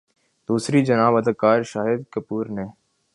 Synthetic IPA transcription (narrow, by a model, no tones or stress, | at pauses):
d̪̥uːsɾid͡ʒɐnaːbɐd̪əkaːɾʃaːɦɪd̪kɐpuːɾneː